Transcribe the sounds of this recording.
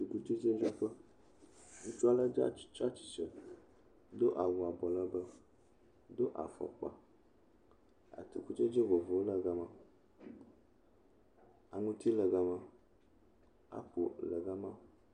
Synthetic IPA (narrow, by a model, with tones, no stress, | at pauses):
t̪u˨ku˦t͡ʃe˦d͡ʒe˦d͡ʒe˦ɸə˦ | ŋũ˦t͡ʃu˦a˦la˦d͡ʒa̰˦t͡ʃa˦t͡ʃi̥˨t͡ʃə˨ | d̪o˦ʔa˨wu˨a˨bɔ˨lə˦bə˦ | d̪o˦ʔa̰˨fɔ̰˨k͡pa̰˨ | a̰˨t̪ṵ˨ku˦t͡ʃe˦d͡ʒe˦vo˨vo˨o˦lə˦ɡa˨ma˨ | a˨ŋũ˦t̪i˦lə˨ɡa˨ma˨ | a̰˦k͡po̰˨lə̰˨ɡa˦mã˦˨˦